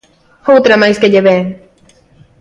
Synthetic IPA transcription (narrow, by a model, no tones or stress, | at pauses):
howt̪ɾamajskeʎeβe